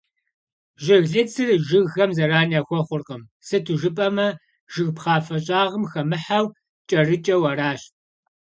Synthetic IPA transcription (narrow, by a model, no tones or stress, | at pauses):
ʒɪɣɮɨt͡sʰɨrʒɨɣɣɐmzɐraːniaːxʷɔχʷʊrqɐmsɨtʰuʒɨpʼɐmɐ | ʒ̥ɨɣpχɑːfɐɕʼaːʁəmxɐmɨħaw | t͡ʃʼɐrɨt͡ʃʼɐwɐɾaːɕt